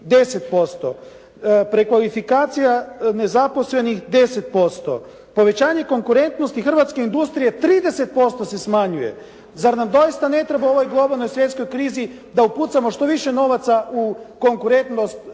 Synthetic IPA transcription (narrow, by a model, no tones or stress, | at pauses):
d̪e̞se̞t̪po̞st̪o̞̰ | pɾekʋalifikaːt̪sijane̞zapo̞sle̞nixd̪e̞se̞t̪̚po̞st̪o̞̰ | po̞ʋe̞t͡ɕaːɲe̞ko̞ŋkuɾe̞nt̪no̞st̪ixr̩ʋat̪skeind̪ust̪ɾijet̪ɾiːd̪e̞se̞t̪̚po̞st̪o̞se̞smaɲuje̞̰ | zaɾnamd̪o̞ist̪ane̞t̪ɾe̞bao̞ʋo̞jɡlˠo̞balˠno̞jsʋje̞t̪sko̞jkɾiːzi | d̪auput̪samo̞ʃt̪o̞ʋiʃe̞no̞ʋat̪sauko̞ŋkuɾe̞nt̪nost̪